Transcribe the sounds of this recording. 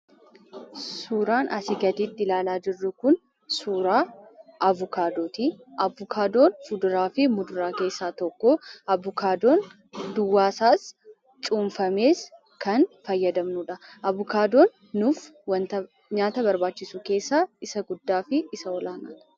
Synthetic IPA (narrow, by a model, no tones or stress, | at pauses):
suːɾaːnʔɐsɪɡɐd̪iːt̪ːɪlaːlaːd͡ʒɪrːʊkʊn | suːɾaːʔɐvʊkaːd̪o̞ːt̪iʔɐvʊkʰaːd̪o̞ːnfʊd̪ʊɾaːfɪmʊd̪ʊɾaːke̞ːsːaːt̪ɔkːoɐbʊkaːd̪o̞ːn | d̪ʊwːaːsaːs | t͡ʃʼuːɱfɐme̞ːs | kɐnfɐjːɐd̪ɐmnuːᶑɐʔɐvʊkaːd̪o̞ːnː | ʊfwɐnt̪ɐ | ɲaːt̪ɐbɐɾbaːt͡ʃːɪsuke̞ːsːaːɪsɐɡʊd̪ːaːfɪːsɐɔlaːna̰ːt̪ɐ̥